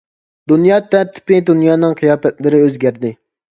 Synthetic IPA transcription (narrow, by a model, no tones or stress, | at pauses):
d̪unjɑːt̪ʰːɛɾt̪ʰːɪ̥pɪd̪unjɑːnɨŋqʰɨjɑːpɛt̪lɪɾɪøzɡʲæɾd̪ɪ